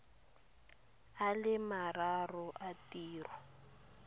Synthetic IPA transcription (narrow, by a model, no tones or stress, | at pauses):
alɪmararɔʔatiːrɔ